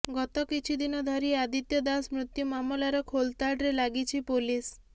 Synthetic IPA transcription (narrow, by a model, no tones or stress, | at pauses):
ɡɔt̪ɔkit͡ʃʰid̪inɔd̪ʱɔɾiad̪it̪jɔd̪asmɾut̪jumamolaɾɔkʰolt̪aɖɾelaɡit͡ʃʰipolis